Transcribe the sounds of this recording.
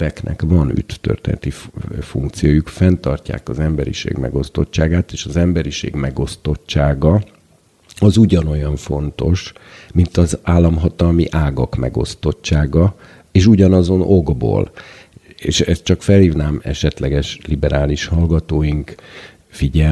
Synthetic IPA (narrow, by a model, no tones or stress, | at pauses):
ɛknʔɛ̰kvɒny̰t̪ːø̰rt̪ɛ̰nt̪ifṵŋkt̪sijoːjukfɛnt̪ɒrca̰ːkɒzɛmbɛɾḭʃḛːɡmɛ̰ɡo̞st̪o̞tt͡ʃːaːɡaːt̪eːʃɒzɛmbɛɾiʃḛːɡmɛɡo̞st̪o̞tt͡ʃːaːɡɒ | ɒzuɟɒno̞jɒɱfo̞nt̪o̞ʃmint̪ɒzaːlːɒmɦɒt̪ɒlmḭʔaːɡɒkmɛ̰ɡo̞̰st̪o̞tt͡ʃːaːɡɒ | eːʃuɟɒnɒzo̞nʔo̞ɡbo̰ːl | eːʃɛst̪t͡ʃɒkfɛlhiːvnaːmɛ̰ʃɛt̪lɛɡɛʃlibɛɾaːliʃhɒlɡɒt̪oːjiŋk | fiɟɛ